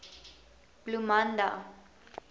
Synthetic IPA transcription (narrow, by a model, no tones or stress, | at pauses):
b̥lumand̪a̰